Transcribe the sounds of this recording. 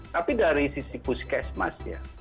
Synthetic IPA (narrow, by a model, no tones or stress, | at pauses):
t̪apidaɾisisipuskɛsma̰sja̰